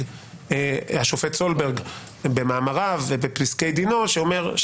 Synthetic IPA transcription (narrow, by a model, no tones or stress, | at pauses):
haʃo̞fetso̞lbeʁɡ | bemaːmaʁavebepʁiskejd̪inoʃeome̞ʁʃ